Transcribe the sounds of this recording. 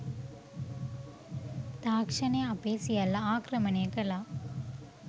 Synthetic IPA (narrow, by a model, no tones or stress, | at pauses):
t̪aːkʂɐneɐpeːsɪjalɐaːkɾɐmɐnekɐlaː